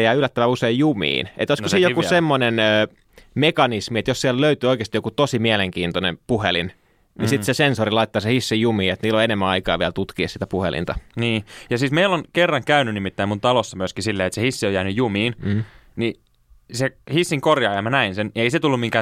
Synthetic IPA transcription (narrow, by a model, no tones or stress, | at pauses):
jæːylːˑæt̪ːæʋæuseijjumḭːnʔet̪oisosiːjokusemːonenøː | mekɑnismiet̪jossiælløyt̪yːoikˑeːst̪ijokut̪osimiæleŋkiːnt̪onḛmpuhelḭn | nisit̪sesensorilɑit̪ːɑːsehisːijumiːet̪niːlːoenemːæɑikɑ̰ːʋiælt̪ut̪kiessi̥t̪æpuhḛlḭnt̪ɑniːjɑsiːsmeilːonkerːɑŋkæynynimit̪ːæimunt̪ɑlosːɑmyøskisilːeːet̪sehisːiojæːnyjjumiːnni | sehisːiŋkorjɑːjɑmænæinseneiset̪ulːumiŋkæː